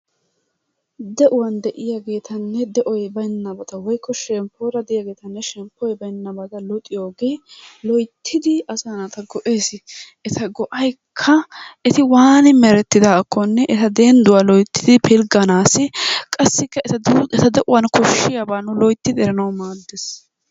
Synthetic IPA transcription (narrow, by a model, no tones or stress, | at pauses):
d̪ɛʔʊwɐnd̪ɛʔɪjaɡe̞ːt̪ʰɐnːɛd̪ɛʔɔjbɐjnːɐbɐt̪ɐwɔjkːɔʃɛmpːoːɾɐd̪ɛʔɪjaɡe̞ːt̪ɐnːɛʃɛmpːɔjbɐjnːɐbɐt̪ɐlɔt̪ʼːɪjoːɡe̞ːlɔjt̪ʰːɪd̪ɪɐsɐnat̪ɐɡɔʔe̞ːs | ɛt̪ɐɡɔʔɐjkʰːɐɛt̪ɪwaːnɪmɛɾɛt̪ːɪd̪akːɔnːɛʔɛt̪ɐd̪eːnd̪ʊwaːlɔjt̪ʰːɪd̪ɪpʰɪlɡɐnaːsɪkʼɐsːɪkːɐɛt̪ɐd̪ɛt̪ɐd̪ɛʔʊwɐnkɔʃːɪjabaːnʊlɔjt̪ːɪd̪ɪɛɾɐnɐwmaːd̪ːɛs